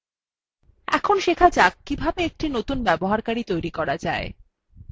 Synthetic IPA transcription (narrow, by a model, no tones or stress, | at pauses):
ɛ̰kʰonʃekʰad͡ʑakːibʱabeek̚ʈinot̪unbɛboɦaɾkaɾit̪ojɾikɔɾad͡ʑae